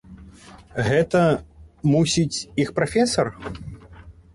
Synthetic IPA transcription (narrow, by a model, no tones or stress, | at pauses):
ɣɛt̪ɐmusʲit͡sʲixpɾafʲɛsɐr